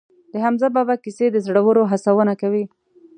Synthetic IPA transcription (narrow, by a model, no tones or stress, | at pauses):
d̪̥əɦamzababakised̪əzɽawəɾoɦasawənakawi